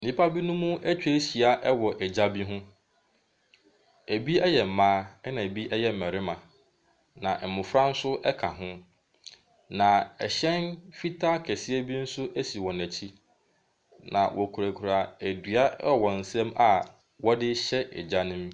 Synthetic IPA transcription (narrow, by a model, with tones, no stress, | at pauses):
nĩ˦pʰa˦bi˦nʊ̃˦mũ˦æ˦t͡ɕᶣɕi˨a˦ʔɛ˦wɔ˨ʔɛ˨d͡ʑa˦bi˦ɦʊ̃˦ | æ˨bi˦ɛ˦jɛ˨m̩˨mãː˦ɛ˦nã˨æ˨bi˦ʔɛ˦jɛ˦m̩˨mɛ̃˨ɾɪ˦mã˨ | nã˨ʔɛ˨mʊ̃˨fɾa˦n̩˦sʊ˦ʔɛ˦kʰa˨ɦʊ̃˦ | nã˨ɛ̰˨ɕɛ̃˦nfi˦tʰa˦kʰɛ˨sɪ˦æ˦bi˦n̩˦sʊ˦ʔæ˦si˨wɔ̃˨næ̃˨t͡ɕʰi˦ | nã˨wʔɔ˨kʰu˨ɾæ˨kʰu˨ɾa˨æ˨dɥa˦˨wɔ̃˨n̩˨sɛ̃˦ma˨ | wɔ˦dɪ˦ɕɛ˦ʔɛ̰˨d͡ʑa˦nʊ̃˦m